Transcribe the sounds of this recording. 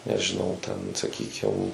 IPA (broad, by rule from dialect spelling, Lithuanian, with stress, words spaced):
nʲɛʒʲɪˈnɐʊ tʲɛn sɐˈkʲiːkʲɪm